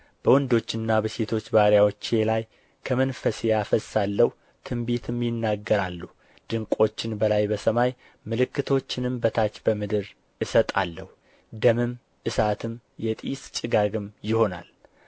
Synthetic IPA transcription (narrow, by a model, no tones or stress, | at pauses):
b̥əwɔnd̪o̞t͡ʃːɪnːabəset̪ʰo̞t͡ʃːbaɾjawot͡ʃːe̞laj | kʰəmənfəsejafəsalːəhu | t̪ʰɨmbit̪ʰɨmjɪnːaɡːəɾalːu | d̪̥ɨŋkʷʼo̞t͡ʃːɪnbəlajbəsəmaj | mɨlɨkːɨt̪ʰo̞t͡ʃːɪnɨmbət̪ʰat͡ʃbəmɨd̪ɨɾ | ʔɨsət̪ʼa̰lːəhu | d̪əmɨm | ʔɨsat̪ʰɨm | jɛt̪ʼist͡ʃʼɪɡaɡɨmjɪho̞na̰l